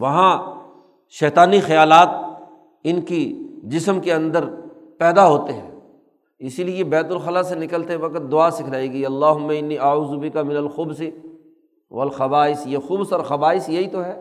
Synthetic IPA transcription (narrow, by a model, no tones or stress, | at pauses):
ʋɐɦã | ʃɛːt̪aːnixɐjaːlaːt̪̚ | ɪnkid͡ʒɪsmkeɐ̃nd̪əɾ | pɛːd̪aɦoːt̪eɦɛ̃ː | ɪsiliejebɛːt̪ʊlxɐlasenɪkəlt̪eɦɛ̃ʋɐkət̪̚d̪ʊaːsɪkʰɾaːiɡiɐlːaːɦʊmːaɪnːiːʔɐuːzʊbɪkamɪnɐlxʊbsi | ʋɐlxɐbaːɪsjexʊbsɔːɾxɐbaːɪsjɐɦit̪oɦɛː